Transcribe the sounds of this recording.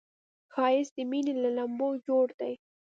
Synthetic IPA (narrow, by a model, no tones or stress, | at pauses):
xɑɪsd̪ɪminelalambod͡ʒoɽd̪̥aj